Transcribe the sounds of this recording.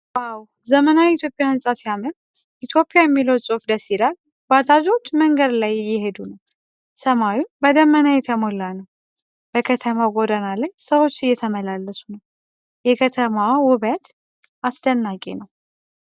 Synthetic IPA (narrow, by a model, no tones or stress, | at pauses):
ʔaw | zəmənawit̪ʰjo̞pʼɪjahɨnsʼasjamən | ʔit̪ʰjo̞pʼːijajɛmːiləwsʼofd̪əsilal | bat̪ʰad͡ʒʼot͡ʃːməŋɡəd̪lajːɪɦed̪unəw | səmawubəd̪əmːənajɛt̪ʰəmolːanəw | bəkʰət̪ʰəmaɡo̞d̪ənalajsəwo̞t͡ʃːɪjːɛt̪ʰəməlalːəsunəw | jɛkʰət̪ʰəmawʊβət̪ | asd̪ənːakʼḛnəw